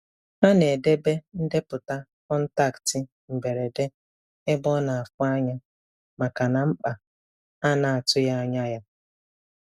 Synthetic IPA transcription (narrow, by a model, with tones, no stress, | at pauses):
a˦ne˨de˦be˦n̩˦de˦pʊ˨ta˦kɔ˦n̩˦ta˦˨ktɪ˨ | m̩˨be˨ɾe˨de˦ | e˦bɔ˦na˨a˨fʊ˦a˦ɲa˦ | ma˨ka˨na˨m̩˦k͡pa˨ | a˦na˨a˨tʊ˦ja˦ɲa˦ja˦